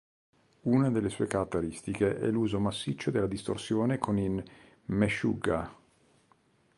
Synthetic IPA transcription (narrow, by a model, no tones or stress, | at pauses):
unad̪elːesuekaɾat̪ːeɾist̪ikeʔɛ̰lːuːzomasːit͡ʃːod̪elːad̪ist̪orsjoːnekʰonin | meʃṵɡa